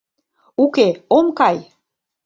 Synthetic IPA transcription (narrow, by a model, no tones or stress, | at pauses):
ukeomkɑj